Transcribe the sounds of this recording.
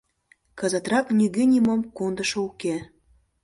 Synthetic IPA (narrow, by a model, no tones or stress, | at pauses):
kɑzɑt̪rɑknyɣʲenʲimomkond̪əʃouke